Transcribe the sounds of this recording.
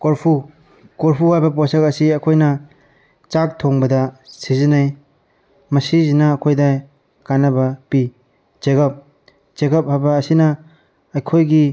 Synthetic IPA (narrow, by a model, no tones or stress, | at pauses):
koɾpʰu | koɾpʰuwajbɐposekɐsiɐkʰojnɐ | t͡ʃak̚tʰoŋbɐdɐsizinaj | mɐsizinaːkʰojdaj | kanɐbɐpi | zeɡɐp̚ | d͡ʒeɡɐp̚habaːsinɐː | jkʰojɡi